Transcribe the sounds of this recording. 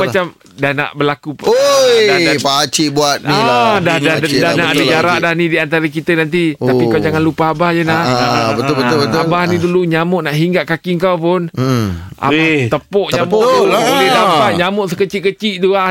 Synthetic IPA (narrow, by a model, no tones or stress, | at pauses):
mat͡ʃam | dahna̰ʔbəlakuodaapat͡ʃiʔbuat̪̚niadaadanaʔadəd͡ʒaɾaʔdahnidiant̪aɾək̬it̪ənant̪̬iapikawd͡ʒaŋanlupaabahd͡ʒənabət̪bət̪əabahnĩduluɲamʊʔnaʔɦiŋɡaʔkakiŋkawpʊn | a̰bat̪əpɔʔɲamədampat̪̚ɲamʊʔsəkət͡ʃiʔkət͡ʃiʔt̪ua